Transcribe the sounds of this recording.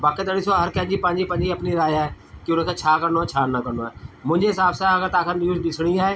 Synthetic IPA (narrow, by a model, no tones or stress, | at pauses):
baːket̪ɐɽɪsoaɦɐɾkɐ̃ɦɪ̃ɲd͡ʑipɐ̃ɦɪ̃ɲd͡ʑipɐ̃ɪɲd͡ʑiɐpniɾaːjaːɦe | kiʊnə̆kʰẽːt͡ɕʰaːkɐɾnoaet͡ɕʰaːnɐkɐɾnoaːɦemʊ̃ɦɪ̃ɲd͡ʑeɦɪsaːbsãɐɡəɾt̪aːkʰənjuːzɗɪsɽ̃iaːɦeː